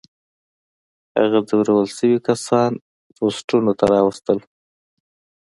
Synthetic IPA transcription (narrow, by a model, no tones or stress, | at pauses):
ha̰ɣazawɾawəlsəwikasɑn | posʈunot̪aɾɑwəst̪əl